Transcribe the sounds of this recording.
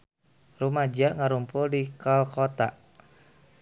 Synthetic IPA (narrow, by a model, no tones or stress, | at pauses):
rumad͡ʒaʔŋaɾumpʊldikalkot̪aʔ